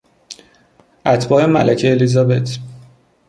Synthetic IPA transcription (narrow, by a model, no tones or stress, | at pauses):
ʔæt̪ʰbɒːhemæ̰lʔæcʰeːlizɒːbe̞t̪ʰ